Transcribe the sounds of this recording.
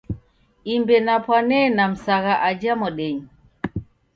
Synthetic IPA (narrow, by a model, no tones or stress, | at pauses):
imbɛnapwanɛnam̩saɣaʔad͡ʒamɔɗɛɲ